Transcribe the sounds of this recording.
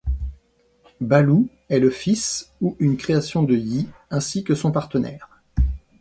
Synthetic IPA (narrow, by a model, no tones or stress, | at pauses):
balu | ɛləfisuynkχeasjɔ̃d̪əjiɛ̃sikəsɔ̃paʁt̪ənɛ̰ːʁ